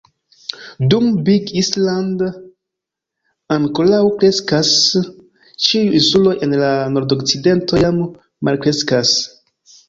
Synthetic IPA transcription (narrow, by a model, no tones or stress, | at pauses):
dumbiɡisland | aŋkolawkɾe̞skas | t͡ʃiuinsulo̞ʔe̞nlano̞ɾdo̞k̚t͡side̞nto̞jamː | a̰lkɾe̞skas